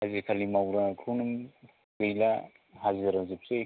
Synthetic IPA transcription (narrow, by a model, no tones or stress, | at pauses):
azikʰalimawɾakʰunum | ɡɯjla | hazeɾazip̚se